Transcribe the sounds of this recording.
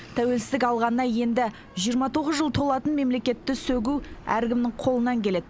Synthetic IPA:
t̪ʰæwe̞lsɪzd̪ɪkɑlˠʁɑnːɑje̞nd̪ɪ | ʒijəɾmɑt̪ʰo̞ʁəzʒəlˠt̪ʰo̞lˠɑt̪ənme̞mle̞kʲe̞t̪ːɪsɵɡʲuwæ̰ɾɡʲɪmnɪɴqʰo̞lˠənɑŋkʲʰe̞le̞d̪ɪ

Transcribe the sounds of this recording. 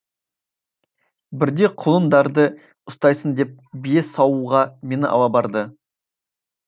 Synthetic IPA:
bɪɾd̪e̞qʰʊlˠənd̪ɑɾd̪ə | ʊst̪ɑjsənd̪e̞p̚bije̞sɑwuʁɑme̞nɪʔɑ̰wɑbɑɾd̪ə

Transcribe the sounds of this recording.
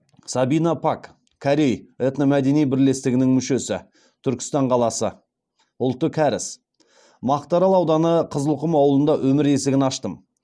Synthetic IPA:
sɑbijnɑpʰak | kʰːaɾe̞jet̪namæd̪e̞nijbɪɾle̞st̪ɪɡʲɪnɪŋmʏʃe̞sɪ | t̪ʰʏɾkʲɪ̥st̪ɑɴqʰɑlˠɑsə | ʊlˠt̪ːəkʲʰæɾɪs | mɑqt̪ɑɾɑlˠɑwd̪ɑnəqʰəzəlˠqʊmɑwlˠənd̪ɑʔɵmɪɾe̞sɪɡʲɪnɑʃt̪əm

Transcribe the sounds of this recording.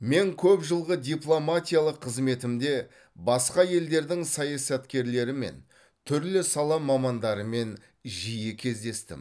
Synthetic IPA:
me̞ŋkʲʰɵpʒəlˠʁəd̪ʲijplˠo̞mat̪ʲijalˠəqʰːəzme̞t̪ɪmd̪e̞ | bɑsqɑje̞ld̪e̞ɾd̪ɪŋsɑjɑsɑt̪kʲe̞ɾle̞ɾɪme̞̰n | t̪ʰʏɾlɪsɑlˠɑmɑmɑnd̪ɑɾəme̞n | ʒijɪkʲʰe̞zd̪e̞st̪ɪ̰m

